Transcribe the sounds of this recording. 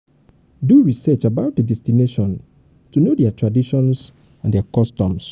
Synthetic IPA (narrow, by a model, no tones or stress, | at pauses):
duɹisɛt͡ʃabaʊt̚dədɛstineʃɔ̃n | tunodɛatʰɹadiʃɔ̃ns | ãndɛakɔstɔ̃ms